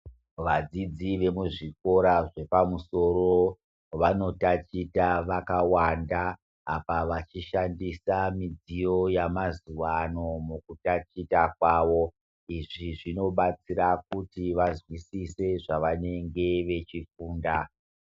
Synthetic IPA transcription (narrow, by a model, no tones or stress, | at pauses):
ʋad͡zid͡ziʋe̞muʐiko̞ɾaʐe̞pamuso̞ɾo | ʋano̞tat͡ʃitaʋakawandaː | paʋat͡ʃiʃandisamid͡zijo̞jamazuwano̞mukutat͡ʃitak̚waːʋo̞ | iʐiʐino̞ɓat͡siɾak̚utiʋazwisise̞ʐaʋane̞ŋɡe̞ʋe̞t͡ʃifuːnda